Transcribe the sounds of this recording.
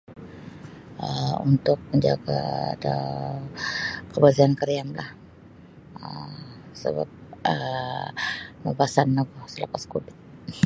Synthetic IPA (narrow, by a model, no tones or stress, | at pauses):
əṵnt̪ʊk̚məɲd͡ʒaɡa̰da | kəbaziankəɾiamlah | əsə̰ba̰p̚ə | məbasanːaɡɔhsələpaskubɪt̪̚